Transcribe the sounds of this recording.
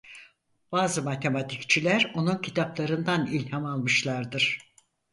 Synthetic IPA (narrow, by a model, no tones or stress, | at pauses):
b̥aːzɯmat̪ʰe̞mat̪ʰict͡ʃʰilʲæɾo̞nuncʰit̪ʰaplˠaɾɯnd̪anilʲhamalˠmɯʃlˠaɾd̪ɯɾ̥